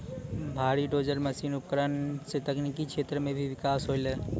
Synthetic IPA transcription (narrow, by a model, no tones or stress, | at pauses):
bʱaːɾiɖoːd͡ʒəɾməsiːnʊp̚kəɾənset̪əknikikʃʰeːt̪ɾəmẽbʱiʋɪkaːsɦoɪle